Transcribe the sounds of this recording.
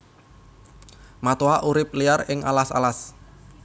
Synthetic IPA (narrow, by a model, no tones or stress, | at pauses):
mat̪oaʔuɾɪp̚liarɪŋʔa̰lasa̰las